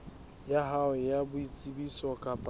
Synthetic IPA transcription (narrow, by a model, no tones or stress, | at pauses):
jaɦawɪjabʊit͡sʼibisɔkʼapʼ